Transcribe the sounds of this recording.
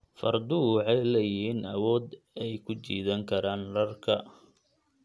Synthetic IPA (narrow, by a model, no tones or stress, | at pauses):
fɐ̰rd̪ʊɑʕɛjlɐjɪɦiːnɐwɔːd̪ | ɛjkʰʊt͡ʃḭːðɐŋkʰɐɾaːnlɐrkʰɐ